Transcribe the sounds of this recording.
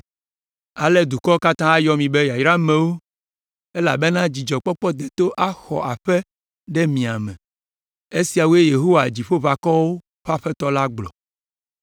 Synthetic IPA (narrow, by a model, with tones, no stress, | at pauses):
a˨lɛ˦d̪u˨kɔ˦ka˦t̪ã˦a˦jɔ˦mĩ˨be˦ja˨jɾa˦mẽ˨wo˦ | e˦la̰˨be˦nã˦d͡ʑi˨d͡ʒɔ˨k͡pɔ˦k͡pɔ˦d̪e˨t̪o˦ʔa˦xɔ̰˨ʔa˨ɸɛ˦ | ɖɛ˦mĩ˨a˨mɛ̰̃˨ | e˦si˨a˨wo˦e˦je˨ɦo˦wa˨d͡ʑi˨ɸo˦βa˨kɔ˦wo˦ | ɸa˦ɸɛ˦t̪ɔ˦la˦ɡ͡blɔ̰˨